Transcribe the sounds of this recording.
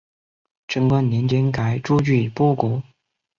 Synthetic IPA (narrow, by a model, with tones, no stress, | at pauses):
ʈ͡ʂə˥ŋkwə˥˩nni˧˥nt͡ɕɛ˥nka˨˩ɪʈ͡ʂu˥˧t͡ɕy˥˩˨pu˥˩ku˨˥˦